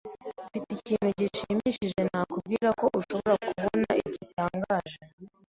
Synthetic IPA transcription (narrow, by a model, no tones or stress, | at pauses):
fitficiːn̤uɟiʃimiʃiʒenakub̚ɡiːɾako̞ʔuʃo̞βoɾakuβonaiɟitaːŋɡaːʒe